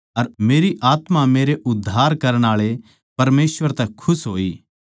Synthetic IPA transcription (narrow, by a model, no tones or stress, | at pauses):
ɐɾmeːɾiʔaːt̪mameːɾeʔʊd̪ʱːaːɾkɐɾəɽ̃aːɭe | pɐɾmeːsʋəɾt̪ɛkʰʊsɦoːiː